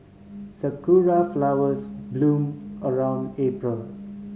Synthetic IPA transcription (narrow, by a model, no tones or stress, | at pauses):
səkuɹaflawəsblũːməɹãʊ̃ndepɹəl